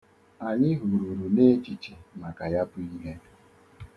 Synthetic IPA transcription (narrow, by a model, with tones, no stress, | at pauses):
a˨ɲɪ˦ɦu˨ɾu˨ɾu˨ne˦t͡ʃi˨t͡ʃi˨ma˨ka˨ja˦pʊ˦i˦ɦe˦